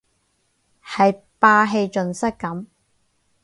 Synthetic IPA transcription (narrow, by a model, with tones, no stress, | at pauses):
hɐ˨j | paː˧ɦe˧jt͡ʃɵ˨nsɐ˥kkːɐ˨˥m